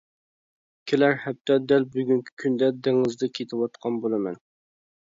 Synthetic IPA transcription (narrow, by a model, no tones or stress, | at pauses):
kʲʰelæɾhɛp̚t̪ʰɛd̪ɛlbyɡʲyŋkʲʰi̥kʲʰynd̪ɛd̪eŋɨzd̪ɛkʲʰet̪ʰɪwɑt̪qʰɑnbolˠɨmɛ̰n